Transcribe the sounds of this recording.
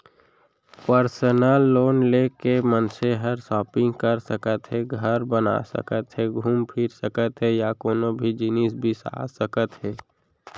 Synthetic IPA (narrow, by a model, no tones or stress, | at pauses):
pəɾsənəlːoːnlekemənseɦəɾsɔːpɪ̃ŋɡkəɾsəkət̪ɦɛɡʱəɾbəna̰sə̰kət̪ɦɛɡʱuːmpʰɪɾsəkət̪ɦɛjakoːnõbʱid͡ʒɪnis̬bʱisa̰ːsəkət̪ɦɛː